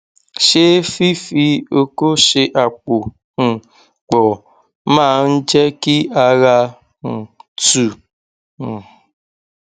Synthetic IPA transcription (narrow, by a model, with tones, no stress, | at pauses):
ʃe˦fi˦fi˦o˦ko˦ʃe˨ʔa˨k͡po˨ | ŋ̩˨ | k͡pɔ˨ | ma˦˨n̩˦d͡ʒe˦ki˦a˨ɣa˧ | ŋ̩˨tu˨